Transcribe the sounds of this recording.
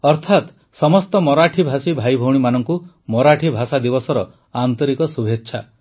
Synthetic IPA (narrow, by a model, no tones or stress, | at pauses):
ɔɾt̪ʰat̪ | sɔmɔst̪ɔmɔɾaʈʰibʱasibʱajbʱɔwɽimanɔŋku | mɔɾaʈʰibʱasad̪ibɔsɔɾɔ | ant̪ɔɾikɔsubʱetːʃʰa̰